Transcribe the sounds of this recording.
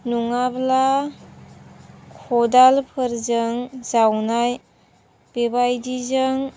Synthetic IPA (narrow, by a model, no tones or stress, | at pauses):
nuŋabla | kʰɔdalpʰɯɾzəŋzawnaj | b̥ebajdizəŋ